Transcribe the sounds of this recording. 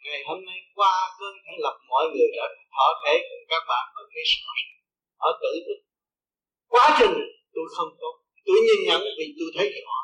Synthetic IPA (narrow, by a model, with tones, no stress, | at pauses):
ŋa˨˩jhoː˧mnə˧jkwaː˧kəː˧˦nka˧˦lə˨˩p̚mɔ̰˧˨jŋɨ˨˩əjɗa̰ː˧˩ɗt̪ʰɔ̰˧˩t̪ʰe˧˩˦kʊ˧˩kaː˦˥k̚ɓa̰ː˧˨nvəː˨˩kɾi˦˥sma˧˩s | ʔəː˧˩t̪ɨ̰˧˨˧ | kwaː˨˦t͡ɕï˨˩ŋ̟t̪u˧jxə˧wŋ͡mt̪o˨˦˨t̪u˧jɲi˧nɲə̰˧˥nvi˨˩t̪u˧jt̪ʰə˨˦jɔ̰˧˩˨